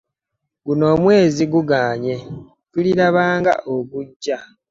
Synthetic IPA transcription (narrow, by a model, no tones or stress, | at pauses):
ɡuno̞ːmwe̞ːziɡuɡaːɲe̞ | ɡ̥uliɾaβaːŋɡa̰ʔoβuɟːa